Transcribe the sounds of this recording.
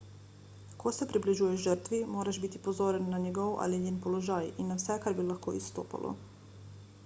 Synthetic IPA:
kʰosɛpɾibliʒuːjɛʒʒəɾt̪ʋimoːɾaʒbit̪ipozoːɾɛnːaɲɛɡɔwʔa̰liɲenpolɔʒaːjinːawsɛkaɾbilaxkoːist̪o̰ːpa̰lʔɔ̰

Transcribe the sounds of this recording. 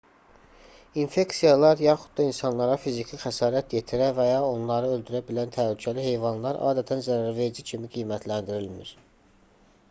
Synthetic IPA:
infe̞ksijɑlˠɑɾjɑχud̪̚d̪ɑinsɑnlˠɑɾɑfizicʰixæsɑːɾæt̪je̞t̪ʰiɾævæjɑo̞nlˠɑɾɯøld̪yɾæbilænt̪ʰælycʰælihe̞jvɑnlˠɑɾʔɑ̰ːd̪æt̪ʰænzæɾæɾve̞d͡ʒicʰimiɡijmæt̪ʰlænd̪iɾilmiɾ̥

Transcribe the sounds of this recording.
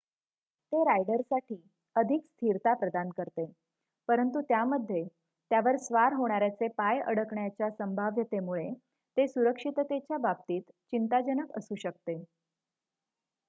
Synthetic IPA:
t̪eɾajɖəɾsaʈʰiː | əd̪ʱikst̪ʰiɾt̪apɾəd̪ankəɾt̪e | pəɾənt̪ut̪jaməd̪ʱːje | t̪jaʋəɾsʋaɾɦoɽ̃aɾjat͡sepajə̰ɽəkɳjat͡ɕjasəmbʱaʋjət̪emuɭe | t̪esuɾəkʂit̪t̪et͡ɕjabab̚t̪iːt̪ | t͡ɕint̪ad͡ʑənəkə̰suːɕək̚t̪e

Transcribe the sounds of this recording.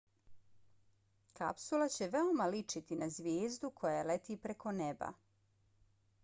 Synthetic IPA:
ka̰psulat͡ɕe̞ʋeomalit͡ʃit̪inazʋjeːzd̪ukʰo̞jelet̪iːpɾeko̞neba̰

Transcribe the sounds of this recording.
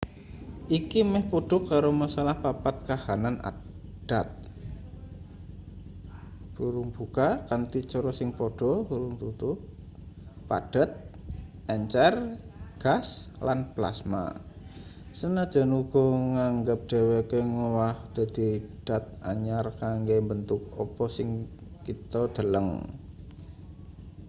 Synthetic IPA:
ʔikimɛhpoɖ̥ɔ̤kaɾomasalahpapat̪̚kahanana̰d̥at̪̚ | b̥uɾuŋb̥ukakant̪it͡ʃɔɾɔsɪŋpoɖ̥ɔ̤kuɾʊŋt̪ut̪ʊ | pa̰ɖ̥ət̪̚ | ʔɛɲt͡ʃɛrɡ̥aslanpla̰sma̰ | sənad̥ʒ̥a̤nuɡ̥ɔ̤ŋaŋɡəp̚ɖ̪̥e̤wekeŋowahd̪̥a̤d̪̥i̤d̥a̤t̪̚aɲarkaŋɡembənt̪ʊk̚ɔpɔsɪŋ | kit̪ɔd̪̥ə̤ləŋ

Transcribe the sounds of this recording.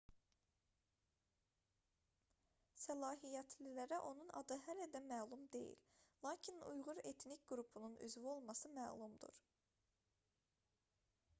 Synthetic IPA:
sælˠɑːɦijæt̪ʰlilæɾæʔo̞nunɑ̰d̪ɯɦælæd̪æmæːlˠumd̪e̞̰jḭllˠɑːcʰinṵjʁuɾe̞t̪ʰnicʲɡɾupʰununʔy̰zvio̞lˠmɑsɯmæːlˠumd̪ṵɾ̥

